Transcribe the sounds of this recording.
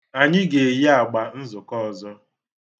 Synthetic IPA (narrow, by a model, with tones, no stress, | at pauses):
a˨ɲɪ˦ɡe˨je˦a˨ɡ͡ba˨n̩˦zʊ˨kɔ˦˨zɔ˦